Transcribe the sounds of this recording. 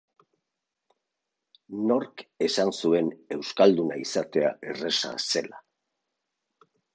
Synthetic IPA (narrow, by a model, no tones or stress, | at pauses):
no̞ɾke̞sansue̞ne̞wskald̪unaisat̪e̞aʔe̞re̞sa̰se̞la